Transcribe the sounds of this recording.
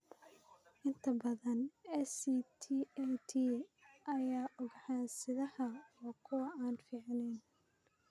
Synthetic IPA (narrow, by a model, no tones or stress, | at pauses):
ʔɪnt̪ʰɐbɐðɐnɛsit̪ʰiːɛt̪ʰiːʔɐjaːʔʊɡħaːnsɪðɐhɐɔːkʰʊwɐʔaːnfiːʕnɛn